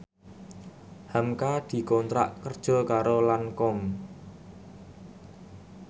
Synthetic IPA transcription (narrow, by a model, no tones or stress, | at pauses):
hamkad̪̥i̤kɔnt̪ɾa̰ʔkərd̥ʒ̥ɔ̤kaɾolaŋkɔŋ